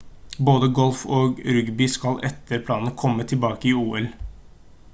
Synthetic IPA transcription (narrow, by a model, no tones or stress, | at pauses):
boːd̪əɡɔlfoːɡɾʏɡbɪːskɑlʔɛt̪ʰːəɾpʰlɑːnnəkʰɔmːət̪ʰɪlbɑːkəɪuːɛl